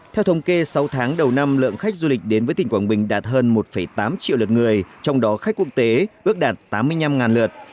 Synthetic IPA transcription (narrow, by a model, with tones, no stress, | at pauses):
t̪ʰɛ˧wt̪ʰə˨˧˦wŋ͡mke˧sa˨˦wt̪ʰaː˨˦ŋɗə˨˩wna˧mlɨ̰˧˨əŋxa˦˥jk̟̚zu˧lï˨˩k̟̚ɗe˨˦nvəː˨˦t̪ï˨˩ŋkwaː˧˩nɓï˨˩ŋ̟ɗaː˨˩t̚ɦəː˧nmo˨˩t̚fə˧˩jt̪aː˨˦mt͡ɕḭ˧˨wlə˨˩t̚ŋɨ˨˩əjt͡ɕɔ˧wŋ͡mɗɔ˨˦xk̚kːu˧˥ək̚t̪e˨˦ʔɨ˦˥ək̚ɗaː˨˩t̚t̪aː˨˦mːɨ˧əjɲa˧mŋaː˨˩nlə˨˩ət̚